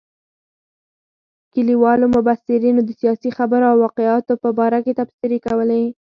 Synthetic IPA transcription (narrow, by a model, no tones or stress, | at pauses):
kəliwɑlomʊbasɪɾinod̪əsijɑsixabəɾoawwɑqeɑt̪opəbɑɾaket̪absiɾekawəle